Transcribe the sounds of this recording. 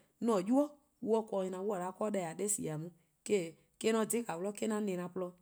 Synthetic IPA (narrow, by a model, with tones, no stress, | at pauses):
nɔ̃˨ju˦ɔ˦ | wu˦ɔ˧˦kɔ˨ɲĩ˧nã˨wu˦a˨ɾa˨˦kɔ˦dɛ˧˨a˨ɗe˦sḭ˨a˨mũ˨˦ | ke˦˨ | ke˦nɔ̃˧˨di˨˦ka˨wlɔ˦ke˦nã˧nẽ˨nã˧˨plɔ˧